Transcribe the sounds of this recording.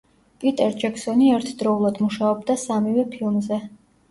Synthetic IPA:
pʼit̪ʼɛɾd͡ʒɛksɔniɛɾt̪ʰd̪ɾɔulˠad̪muʃaɔbd̪asamivɛpʰilˠmzɛ

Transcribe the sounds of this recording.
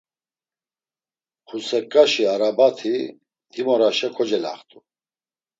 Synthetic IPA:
χʰusɛkʼːaʃiaɾabat̪ʰi | d̪imɔɾaʃɛkʰɔd͡ʒɛla̰χt̪ʼu

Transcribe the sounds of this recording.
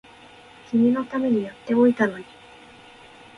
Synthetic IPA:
kʲimʲino̞t̪ame̞ɲ̟ijat̪ːe̞o̞it̪ano̞ɲ̟i

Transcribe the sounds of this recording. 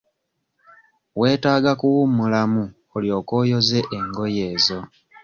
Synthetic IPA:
we̞ːtaːɡakuwumulamu | oljo̞ːko̞ːjo̞ze̞ʔeŋɡo̞je̞ːzo̞

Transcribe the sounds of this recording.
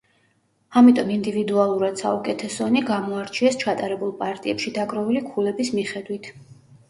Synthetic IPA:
amit̪ʼɔmind̪ivid̪ualˠuɾad̪̥saukʼɛt̪ʰɛsɔniɡamɔaɾt͡ʃʰiɛst͡ʃʰat̪ʼaɾɛbulˠpʼaɾt̪ʼiɛpʃid̪aɡɾɔvilikʰulɛbismiχɛd̪wit̪ʰ

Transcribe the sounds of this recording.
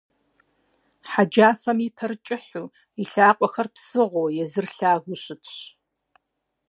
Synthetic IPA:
ħad͡ʒaːfɐmitʰɐrt͡ʃʼɪħuː | iɬaːqʷʼɔxɐrpsɨʁʷoːjɛzɨrɬaːɣʷʊɕɪtʰɕ

